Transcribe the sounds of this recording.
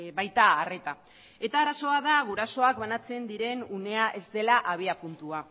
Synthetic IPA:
βajt̪aːre̞t̪a | e̞t̪aːɾaso̞aðaɣuɾaso̞akβanat͡se̞nd̪iɾe̞nune̞aʔe̞zd̪e̞laʔaβ̞iapunt̪ua

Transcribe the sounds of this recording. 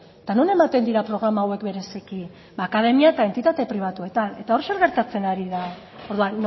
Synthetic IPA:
et̪anone̞mat̪e̞nd̪iɾapɾo̞ɣ̞ɾamaːwe̞kbe̞ɾe̞siki | baːkaðe̞miaet̪ae̞nt̪it̪at̪e̞pɾiβ̞at̪ue̞t̪ane̞t̪ao̞ɾʃe̞ɾɣe̞ɾt̪at͡se̞naɾiða | oɾðuanː

